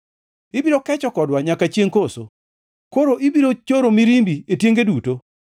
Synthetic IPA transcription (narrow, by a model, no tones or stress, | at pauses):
ɪbiɾokɛt͡ʃɔkɔdwaɲakat͡ʃjeŋkoso̰ | koɾoʔɪbiɾot͡ʃoɾomiɾimbietjeŋɡeduto